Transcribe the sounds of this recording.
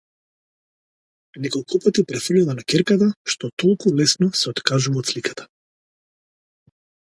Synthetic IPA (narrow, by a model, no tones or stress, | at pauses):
nɛkɔlˠkupat̪ipɾɛfr̩lilˠanakʲɛɾkat̪aʃt̪ɔt̪ɔlˠkulɛsnɔsɛɔt̪kaʒuvaɔt̪slikʰḁt̪ʰḁ